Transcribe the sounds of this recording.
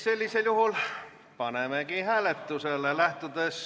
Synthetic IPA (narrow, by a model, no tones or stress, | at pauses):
selʲːiseljuhul | pɑnemekihæːlet̪ːuselːelæht̪od̪es